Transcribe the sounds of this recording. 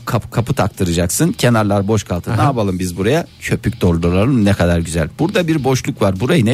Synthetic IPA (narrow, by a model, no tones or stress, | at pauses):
kʰapɯ̥kʰapʰɯt̪ʰakt̪ʰɯɾɯd͡ʒaksɯncʰe̞naɾlˠaɾboʃkʰalˠt̪ʰɯnaːbalˠɯmbizbuɾajat͡ʃʰø̞pʰyc̚ʲd̪o̞ɾd̪ulˠalɯnɛkʰad̪aɾɟyzɛlʲb̥uɾd̪abiɾbo̞ʃlˠukvaɾbuɾajinɛ